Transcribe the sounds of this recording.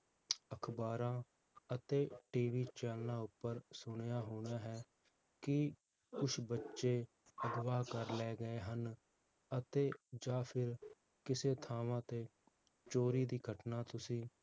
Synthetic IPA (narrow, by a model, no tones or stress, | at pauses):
əkʰbaːɾãː | ət̪eːʈiːʋiːt͡ʃɛːlnãːʊpːəɾsʊɽ̃ejaːɦoːɽ̃aːɦɛː | kɪ | kʊt͡ʃʰbətːʃeː | əd̪ʋaːkəɾlɛːɡəeːɦən | ət̪eːd͡ʒaːpʰɪɾ | kɪseːt̪ʰaːʋãːt̪eː | t͡ʃoːɾiːd̪iːɡʱəʈnaːt̪ʊsĩː